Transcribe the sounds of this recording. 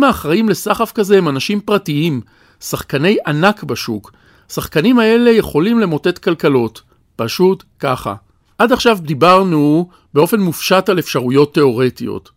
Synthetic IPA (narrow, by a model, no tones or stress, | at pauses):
maːχʁaimle̞saχafkazeemanaʃimpʁatiim | saχkane̞jʔanakbaʃuk | saχkanimhae̞le̞je̞χo̞limle̞mo̞te̞tkalkalo̞t | paʃutkaχa̰ | ʔadaχʃavbdibaʁnu | be̞o̞fe̞nmufʃatale̞fʃaʁujo̞tːe̞o̞ʁetijo̰t